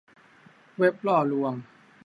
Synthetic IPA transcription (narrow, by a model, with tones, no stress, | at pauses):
we˦˥p̚lɔː˧˩lu˧əm